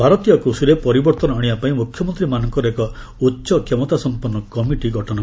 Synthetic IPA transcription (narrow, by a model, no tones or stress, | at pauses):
bʱaɾɔt̪ijɔkɾusuɾepɔɾibɔɾt̪ɔnɔaɽibapaĩmukʰjɔmɔnt̪ɾimanɔŋkɔɾekɔ | utːʃɔkʰemɔt̪asɔmpuɾnːɔkɔmiʈiɡʱɔʈʰɔnɔ